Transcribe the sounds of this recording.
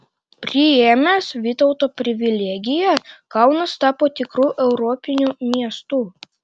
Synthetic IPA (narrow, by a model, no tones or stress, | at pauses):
pʲɾʲɪemʲæːsʋʲɪt̪ɔʊt̪oːpʲɾʲɪʋʲɪlʲɛːɡʲɪjɛkɑˑʊnɐst̪ɑːpoːt̪ʲɪkɾuːʔɛʊɾɔpʲɪnʲuːmʲiɛst̪uː